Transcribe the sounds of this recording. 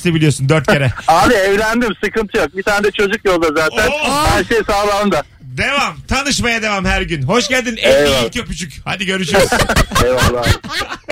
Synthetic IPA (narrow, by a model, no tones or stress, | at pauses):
sebilʲijo̞sund̪øɾt̪̚cʰeɾɛaːbiɛvlʲænd̪imsɯkɯnt̪ʰɯjo̞k̚bit̪ʰaːnɛd̪ɛt͡ʃʰo̞d͡ʒukjo̞lˠd̪azaːt̪ʰænhæɾʃejsaːlˠaɯmd̪a | d̪e̞vamt̪ʰanɯʃmajad̪e̞vamhæɾɟynɦo̞ʃɟælʲd̪inɛjiilʲcʰøpyt͡ʃʰycha̰d̪iɟø̞ɾyʃyɾzevalˠa